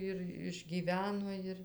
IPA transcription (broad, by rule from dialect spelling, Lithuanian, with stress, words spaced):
ɪr ɪʒʲˈɡʲiːʋʲɛnoː ˈɪr